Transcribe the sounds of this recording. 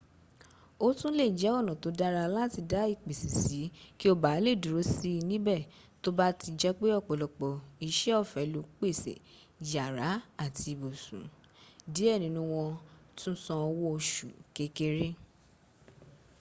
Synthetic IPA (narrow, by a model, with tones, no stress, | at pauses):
o˦tũ˦le˦˨d͡ʒɛ˨˦ɔ˦˨nɔ̃˨to˨˦da˦ɾa˧lã˦˨ti˧da˦i˦˨k͡pe˨si˨si˨˦ki˦o˦ba˨˦le˦˨du˨ɾo˨˦si˦˧nĩ˦bɛ˦˨to˦ba˦ti˧d͡ʒɛ˦k͡pe˦ɔ˦˨k͡pɔ˨lɔ˨k͡pɔ˨i˧ʃɛ˦ɔ˦˨fɛ˨˦lo˧˦k͡pe˦˨sḛ˨ | d͡ʒa˨ɾa˨˦a˦˨tʰi˧˨bo˨sṵ̃˨ | di˨˦ɛ˦˨nĩ˨˦nũ˧w̃ɔ̃˧tũ˦sɔ̃˧wɔ˦o˧ʃu˨ke˧ke˦ɾe˦